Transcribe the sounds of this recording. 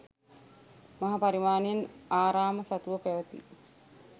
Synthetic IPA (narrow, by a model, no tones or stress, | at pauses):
maɦapaɾimaːnenaːɾaːməsat̪uʋəpæʋət̪ḭ